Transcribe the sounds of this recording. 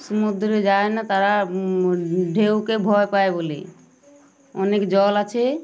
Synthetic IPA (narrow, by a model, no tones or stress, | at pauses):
sumud̪ʱɾd͡ʒaenat̪aɾa | ɖʱewkebʱɔjpaebolḛ | ɔnekd͡ʒɔlat͡ʃʰe